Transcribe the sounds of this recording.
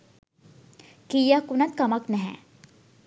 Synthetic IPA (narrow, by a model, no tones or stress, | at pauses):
kiːjakunɐt̪̚kɐməknɛɦɛ̰